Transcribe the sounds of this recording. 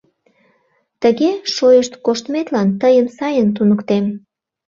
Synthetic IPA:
t̪əɣeʃojəʃt̪koʃt̪met̪lɑnt̪əjəmsɑjənt̪̬unəkt̪em

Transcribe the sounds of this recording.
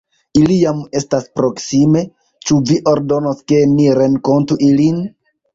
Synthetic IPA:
ilijame̞staspɾo̞ksime̞ | t͡ʃuviʔo̞ɾdo̞noske̞niɾe̞ŋko̞ntuʔilin

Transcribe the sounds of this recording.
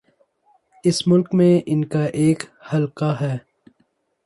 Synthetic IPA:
ɪsmʊlkmẽʔɪnkaʔeːkhɐlkaɦɛː

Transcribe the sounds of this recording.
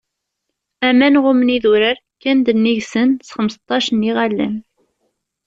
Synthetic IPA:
æmænʁʊmniðuɾəɾkːænd̪ənːiʝsənsχəməsə̥t̪ˤːɑʃəniʁælːə̰n

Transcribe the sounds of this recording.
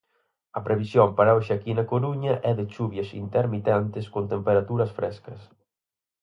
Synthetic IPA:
ɐpɾeβisjompaɾaoʃakinɐkoɾuɲɐʔɛðɪt͡ʃuβjɐsḭnt̪eɾmit̪ɛnt̪ɪskont̪empeɾat̪uɾɐsfɾʔɛskɐs

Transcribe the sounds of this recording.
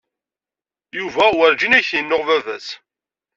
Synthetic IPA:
juvæwəɾd͡ʒinæçjənːoʁvævæs

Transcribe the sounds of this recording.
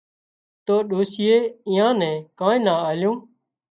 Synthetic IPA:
t̪oːɗoːsɪjeːɪ̃ːãːnɛ̃ːkãːĩːnãːaːljõː

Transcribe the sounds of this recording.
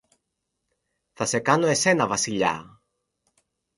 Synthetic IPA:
θɐse̞kɐnoe̞senɐvɐsiʎa̰

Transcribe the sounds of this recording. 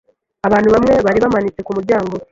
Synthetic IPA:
aβaːn̤uβamŋe̞βaɾiβamaɲit͡se̞kumuɾɟaːŋɡo̞

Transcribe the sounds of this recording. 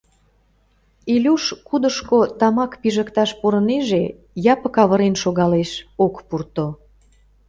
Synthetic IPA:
ilʲuʃkud̪əʃkot̪ɑmɑkpiʒəkt̪ɑʃpoɾəneʒe | jɑpə̆kɑβəɾenʃoɣɑleʃokpurt̪o

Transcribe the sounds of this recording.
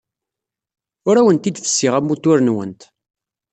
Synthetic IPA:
ʊɾæwənt̪id̪θə̥sːiʁæmːut̪ːʊɾənwə̰nt̪

